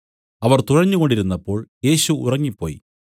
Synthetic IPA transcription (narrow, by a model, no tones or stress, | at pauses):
ɐʋɐrt̪urɐɲːuɣo̞ɳɖiɾunːɐpːo̞ːɭje̞ːɕuṵrɐŋːipːo̞ːj